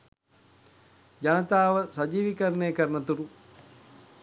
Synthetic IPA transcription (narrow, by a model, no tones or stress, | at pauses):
d͡ʒanət̪aːʋəsad͡ʒiːʋikəɾənejːkəɾənət̪uɾu